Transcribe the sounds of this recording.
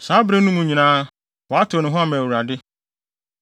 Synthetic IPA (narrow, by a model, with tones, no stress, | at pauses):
saː˨˦bɾẽ˦nũ˦mũ˨ɲĩ˨nãː˦ | wɔ˨a˦tʰo˨nɪ̃˨ɦʊ̃˦a˦˨mɛ̃˨wu˨ɾa˨dɪ˦